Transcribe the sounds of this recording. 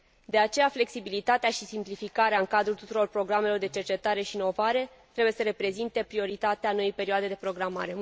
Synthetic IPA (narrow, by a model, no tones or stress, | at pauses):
d̪e̞at͡ʃe̞jafle̞ksibilit̪at̪eaʃisimplifikaɾeaɨŋkad̪ɾult̪ut̪uɾo̞rpɾo̞ɡɾame̞lo̞rd̪e̞t͡ʃert͡ʃe̞t̪aɾe̞ʃiːno̞vaɾe̞ | t̪ɾebuje̞səɾe̞pɾe̞zint̪e̞pɾio̞ɾit̪at̪eanojejpe̞ɾioad̪e̞d̪e̞pɾo̞ɡɾama̰ɾe̞